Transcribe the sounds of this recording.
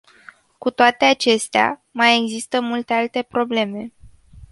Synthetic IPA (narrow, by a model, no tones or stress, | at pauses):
kut̪oat̪e̞at͡ʃe̞st̪ea̰maje̞ɡzist̪əmult̪e̞alt̪e̞pɾo̞ble̞me̞